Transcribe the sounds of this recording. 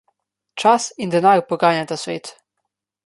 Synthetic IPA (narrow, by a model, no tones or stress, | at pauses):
t͡ʃasind̪ɛnaɾpɔɡaːnjat̪asʋḛːt̪